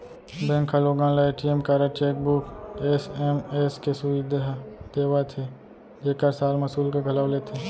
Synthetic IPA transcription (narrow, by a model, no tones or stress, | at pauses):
bɛ̃ːŋkʰaloɡãːlaeːʈiemkaːɾət͡ʃeːk̚bukesɛmeskesʊid̪ʱd̪̥eːwat̪ʰe | d͡ʒeːkəɾsaːlmɐsuːlkeɡʱɐlaːʊlet̪ʰeː